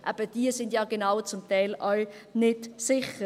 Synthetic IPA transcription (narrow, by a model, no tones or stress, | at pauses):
ʔɛ̰b̥əd̥iəsɪndjaːɡenaʊt͡sʊmtɛɪlʔalnɪdsɪχə